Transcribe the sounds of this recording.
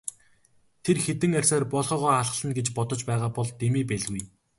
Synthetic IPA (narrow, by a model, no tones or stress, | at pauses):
t̪ʰerxet̪ɘ̆ŋær̥ʲsaːrpɔɮχɔːʁɔːaɮχə̆ɮə̆nɡet͡ɕpɔt̪ɞ̆t͡ɕpæːʁaːpɔɮt̪emiːpæɮɣuj